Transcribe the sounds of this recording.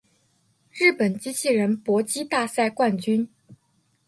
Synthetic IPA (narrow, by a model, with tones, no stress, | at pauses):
ɻɻ̩˥˩pə˨˩nt͡ɕi˥t͡ɕʰi˥˩ɻə˧˥npwɔ˧˥t͡ɕi˥t̪a˥˧sa˥˧ɪkwa˥˩nt͡ɕy˥n